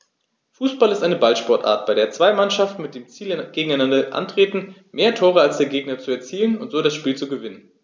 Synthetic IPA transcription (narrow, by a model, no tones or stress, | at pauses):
fuːsb̥alɪstʔaɪnəbalʃpɔɐtʔa̰ːɐt̚b̥aɪɾeːɐt͡sv̥aɪmanʃaftn̩mɪt̚d̥eːmt͡siːlɡ̥eːɡŋ̩aɪnandɐʔa̰ntʁ̥eːtn̩meːɐtʰoːʁ̞əalsd̥eːɐɡeːɡnɐt͡suɛɐt͡siːlənʊntz̥oːɾasʃpiːlt͡suɡəvɪnən